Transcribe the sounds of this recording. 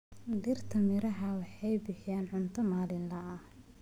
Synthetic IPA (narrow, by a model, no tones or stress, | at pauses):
d̪irt̪ʰɐmɪɾɐɦɐwɑħɑjbɪħɪjaːnʕʊnt̪ʰɐmaːlɪnlɐʔɐh